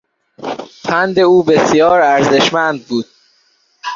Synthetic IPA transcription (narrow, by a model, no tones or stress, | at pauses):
pʰænd̪e̞uːbe̞sijɒːɾæɾze̞ʃmænd̪̚buːd̪̥̚